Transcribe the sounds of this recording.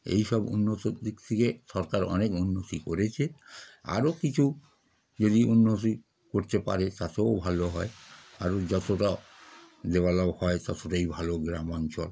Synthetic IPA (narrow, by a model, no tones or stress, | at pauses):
ḛjʃɔbṵnːot̪od̪ikt̪ʰikeʃɔɾkaɾɔ̰nekunːot̪ikoɾet͡ɕʰea̰ɾokit͡ɕʰu | d͡ʑod̪iʔunːot̪̬i | koɾt̪epa̰ɾet̪at̪eobʱaloɦɔeaɾod͡ʑɔt̪oʈa | d̪ebalahɔet̪ɔt̪oʈaibʱaloɡɾamɔnt͡ɕɔl